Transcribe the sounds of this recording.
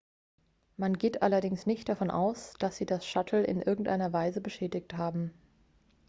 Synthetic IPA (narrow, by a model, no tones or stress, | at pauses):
manɡeːtʔalɐdɪŋsnɪçt̚d̥afɔnʔa̰ʊsd̥asz̥iːdasʃatʰl̩ɪ̰nʔɪɐɡŋ̩tʔaɪnɐvaɪzəbəʃɛːdɪç̚thaːbm̩